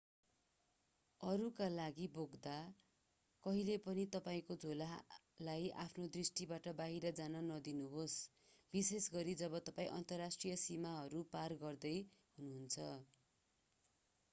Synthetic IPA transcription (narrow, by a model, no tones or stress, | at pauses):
ʌɾukalaɡiboɡd̪a | kʌɦilepʌnit̪ʌpaĩkod͡zʱola | lajʔa̰pʰnod̪risʈibaʈʌbaɦiɾʌd͡zanʌnʌd̪inuɦos | bisesɡʌɾid͡zʌbʌt̪ʌpaĩʔʌ̰nt̪ʌrːasʈrijʌsimaɦʌɾuparɡʌrd̪ʌjɦunuɦunt͡sʰʌ